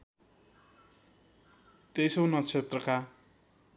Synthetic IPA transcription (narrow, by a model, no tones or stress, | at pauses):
t̪ejsʌwnʌt͡sʰet̪rʌka